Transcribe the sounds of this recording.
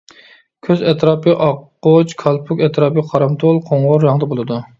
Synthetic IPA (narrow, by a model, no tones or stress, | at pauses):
kʲʰøzɛt̪ɾɑːpɨʔɑqːot͡ʃkʰɑlˠpʰukʲɛt̪ʰɾɑːpɨqʰɑɾɑmt̪ʰolˠqʰoŋʁoɾːɑŋd̪ɑbolˠɨd̪u